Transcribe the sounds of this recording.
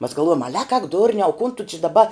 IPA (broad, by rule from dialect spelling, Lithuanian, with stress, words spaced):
mɐs ɡɐlˠˈʋuɔjoːm ˈɑːlʲɛ ɐk ɐk ˈdʊrʲnʲɛʊ kʊn tʊ t͡ʃʲɪ dɐˈbɐ